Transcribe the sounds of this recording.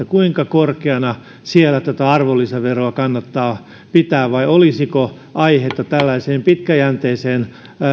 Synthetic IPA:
ækuiŋkɑkorkeɑnɑ | sielæt̪ot̪æɑrʋolːiseʋeroɑkɑnːɑt̪ːɑː | pit̪æːʋʋɑiolisiko | ʔɑihet̪ːɑt̪ælːæiseːmpit̪kæjænt̪eːseːn

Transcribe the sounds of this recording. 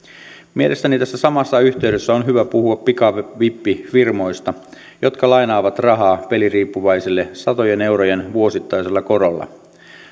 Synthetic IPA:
mie̞lʔe̞st̪ænit̪æsːæsɑmɑsːɑyçt̪eɥdøsːæonɦyʋæpuhuɑppikɑʋipːifirmo̞jst̪ɑ | jo̞t̪kɑlɑjnɑːʋɑt̪rɑɦɑːpe̞liriːpːuʋɑjsilːesɑt̪o̞jene̞wɾojenʋuo̞sit̪ːɑjselːɑko̞ɾolːɑ̰

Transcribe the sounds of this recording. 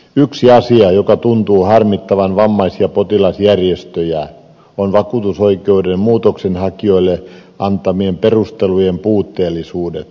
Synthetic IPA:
yksiɑsiɑjokɑt̪unt̪uːhɑrmit̪ːɑʋɑnʋɑmːɑisiɑpot̪ilɑsjærjest̪øjæ | onʋɑkuːt̪usoikeudemmuːt̪oksenhɑkioilːeʔɑnt̪ɑmiemperust̪elujempuːt̪ːeːlːisuːdḛt̪

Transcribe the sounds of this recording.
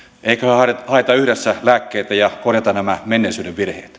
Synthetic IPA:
eikæhøɑethɑet̪ɑyhdesːælæːkːeːt̪æjɑkorjɑt̪ɑnæmæmenːeˑisyːdeʋʋirheːt̪

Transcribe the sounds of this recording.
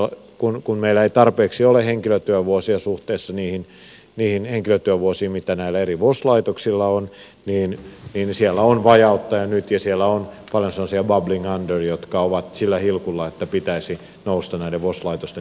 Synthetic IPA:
kunkunmeilːæeit̪ɑrpeːksioleheŋkiløt̪yøʋuosiɑsuht̪eːsːɑniːhin | niːhinheŋkiløt̪yæʋuosiːmit̪ænæilːˑæeriʋoslɑit̪oksilːɑon | niːnniːnsiɛlːæonʋɑjɑut̪ːɑjɑnyt̪jɑsielːˑæonpɑljonsenːosiɑbɑbliŋɑndørijot̪kɑoʋɑt̪silːæhilkulːɑet̪ːæpit̪æisi | noust̪ɑnæileʋʋoslɑit̪ost̪e

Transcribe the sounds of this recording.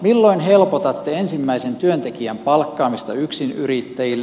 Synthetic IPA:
milːoinhelpot̪ɑt̪ːeensimːæisent̪yønt̪ekiæmpɑlkːɑːmist̪ɑyksinyrit̪ːæjilː

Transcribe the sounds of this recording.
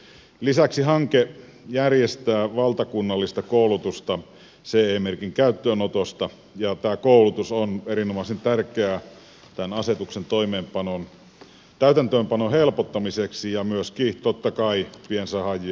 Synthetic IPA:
lisæksiɦɑŋke | jærjest̪æːʋɑlt̪ɑkunːɑlːist̪ɑkoˑulut̪ust̪ɑ | seeːmerkiŋkæyt̪ːøːnot̪ost̪ɑ | jɑt̪æːkoˑulut̪usoneɾinomɑisent̪ærkeæ | t̪ænɑset̪uksent̪oimeːmpɑnon | t̪æyt̪ænt̪øːmpɑnohelpot̪ːɑmiseksijɑmyøskit̪ot̪ːɑkɑipiensæhɑji

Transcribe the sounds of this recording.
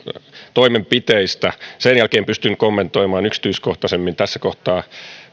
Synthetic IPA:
t̪oimempit̪eist̪æsenjælkeːmpyst̪ynkomːent̪oimɑːnyksi̥t̪yiskoht̪ɑsemːint̪æsːækoht̪ɑː

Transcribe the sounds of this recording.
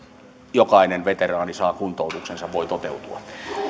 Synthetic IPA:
jokɑinenʋet̪erɑːnisɑːkunt̪ˑoˑut̪uksensɑʋʋoit̪ot̪eut̪uɑ

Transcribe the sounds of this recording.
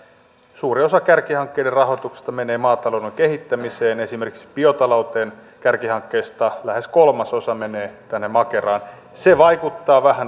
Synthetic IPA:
suːrio̞sɑkærkihɑŋkːeiderrɑɦot̪ukse̥st̪ɑmeneːmɑːt̪ɑloudeŋkehit̪ːæmiseːnesimerki̥ksi̥piot̪ɑlout̪eːn | kærkihɑŋkːeist̪ɑlæheskolmɑso̞sɑmeneːt̪ænːemɑkerɑːn | seʋɑjkut̪ːɑːʋæhæn

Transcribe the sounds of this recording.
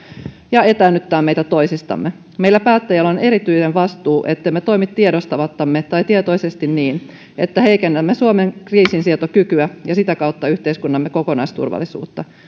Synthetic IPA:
jɑe̞t̪æːnːyt̪ːæːmmeit̪æt̪o̞isist̪ɑ̰mːe | meilːæpæːt̪ːæjælːone̞ɾit̪yisenʋɑst̪uːʔet̪ːeimːet̪o̞jmit̪tiedost̪ɑʋɑt̪ːɑmːet̪ɑjt̪iet̪oisest̪inniːn | ḛt̪ːæhe̞ikenːæmːesuomeŋkriːsinsiet̪okykyæjɑsit̪ækɑut̪ːɑyht̪eiskunːɑmːeko̞konɑ̰jst̪ṵrʋɑ̰lːˑisṵːt̪ːɑ

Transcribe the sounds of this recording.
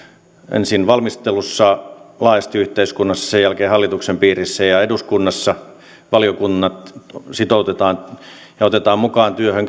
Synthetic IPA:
ʔḛnsinʋɑlmist̪elusːɑlɑːjɑst̪iyht̪eiskunːɑsːɑ̥sejælkeːhɑlːit̪uksempiːrisːæjɑeduskunːɑsːɑ | ʋɑlijokunːɑt̪sit̪out̪et̪ɑːn | jɑot̪et̪ɑːmmukɑːnt̪yøhøŋk

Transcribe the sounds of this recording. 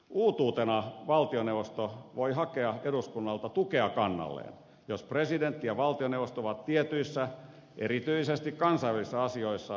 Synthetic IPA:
ʔuːt̪uːt̪enɑʋɑlt̪ionewʋost̪oʋoihɑkeɑeɾuskunːɑlt̪ɑt̪ukeɑkɑnːɑ̰lːḛːn | jospresident̪ːijɑʋɑlt̪ioneuʋost̪ooʋɑt̪t̪iet̪yisːæ | ʔeɾit̪yisest̪ikkɑnsɑiʋælisːɑɑsioisːɑ

